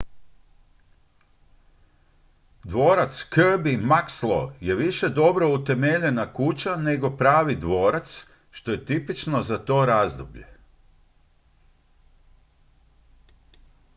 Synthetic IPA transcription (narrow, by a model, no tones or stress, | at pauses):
d̪ʋo̞ːɾat̪skrbimakslo̰je̞ʋiʃe̞d̪o̞bɾo̞ut̪e̞meʎe̞nakut͡ɕane̞ɡo̞pɾaːʋid̪ʋo̞ːɾat̪s | ʃt̪o̞je̞t̪ipit͡ʃno̞zat̪o̞ːɾazd̪obʎe̞̰